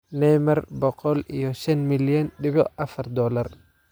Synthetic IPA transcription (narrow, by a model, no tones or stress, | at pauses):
nɛjmɐɾbɔqɔlḭjɔʃɐnmɪlɔnɗɪβɔʔɐfɐrd̪ɔlɐr